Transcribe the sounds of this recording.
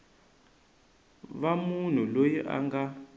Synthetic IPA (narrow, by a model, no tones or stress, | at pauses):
βamun̤ulojiʔa̰ŋɡa